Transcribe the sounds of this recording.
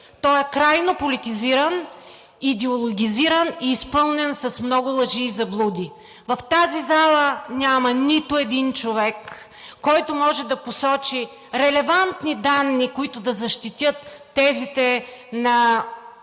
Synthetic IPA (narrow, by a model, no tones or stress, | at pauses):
t̪ɔɛkɾajnopolit̪iziɾən | id̪ɛolˠoɡʲiziɾəniːspɤlˠnɛnsɐsmnɔɡʊlˠɐʒiːzɐblˠud̪i | vɐft̪azizalˠənʲamɐnit̪ʊɛd̪int͡ʃovɛkː | ɔjt̪ʊmɔʒɛd̪ɐposɔt͡ʃi | ɾɛlɛvant̪nid̪anːikoit̪ʊd̪ɐzɐʃt̪it̪ʲjɤt̪ː | ɛzit̪ɛnɐ